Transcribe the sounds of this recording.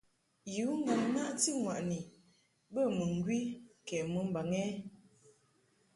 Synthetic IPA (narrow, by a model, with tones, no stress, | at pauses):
ju˨˦ŋ̩˦ɡa˨ŋna˦ʔti˦ŋwa˨ʔni˨ | bə˦˨mə˨ŋ˦ɡwi˦kɛ˨mə˨˦m̩˦ba˨ŋɛ˦